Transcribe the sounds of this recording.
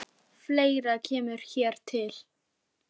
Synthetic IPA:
fleːjɾacʰɛːmʏɾ̥çɛːɾ̥t̪ʰɪl̥

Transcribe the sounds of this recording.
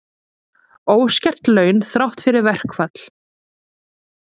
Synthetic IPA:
oːwscɛr̥t̪lœːɥnθɾawht̪fɪɾɪɾvɛr̥kfat̪l

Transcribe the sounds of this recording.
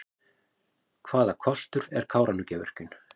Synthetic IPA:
kʰvaːðakʰɔst̪ʏɾɛɾ̥kʰaːwɾʔanːʏcɛːvɛ̰r̥cʏn

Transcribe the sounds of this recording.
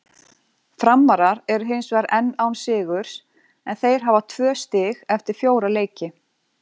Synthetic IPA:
fɾamːaɾaɾɛɾʏɦɪnsvɛɾɛnːawnsɪːɣʏɾ̥s | ɛnθejɾ̥ɦavat̪ʰvœːst̪ɪɣɛft̪ɪɾ̥fjoːwɾaleːjcɪ

